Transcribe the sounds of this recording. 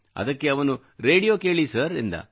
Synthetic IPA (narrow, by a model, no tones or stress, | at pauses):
ɐ̰d̪ɐkːeɐʋɐnu | ɾe̞ːɽijoːke̞ːɭisɐɾḭnd̪ɐ̰